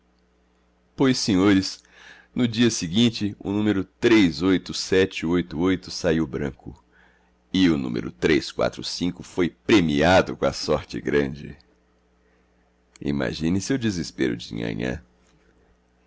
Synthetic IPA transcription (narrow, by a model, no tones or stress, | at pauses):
pojsẽɲoɾɪs | nʊd͡ʒiɐsɪɡĩnt͡ʃɪʊ̰nũmeɾʊt̪ɾezojt̪ʊsɛt͡ʃɪojt̪ʊojt̪ʊsaiwbɾɐ̰̃kʊ | ɪʊnṵ̃mḛɾʊ̰t̪ɾejskwa̰t̪ɾʊsĩkʊfojpɾemiad̪ʊkõɐsɔɾt͡ʃɪ̰ɡɾɐ̃d͡ʒɪ̰ | ḭma̰ʒĩnɪsewd͡ʒɪzɪspeɾʊ̰d͡ʒɪḭ̃ŋɐ̰̃ɲɐ̰̃